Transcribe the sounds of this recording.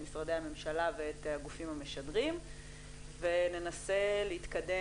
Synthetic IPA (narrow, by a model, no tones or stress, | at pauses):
misʁade̞jhame̞mʃalaveetaɡufimhame̞ʃadʁim | vene̞nase̞leit̪kade̞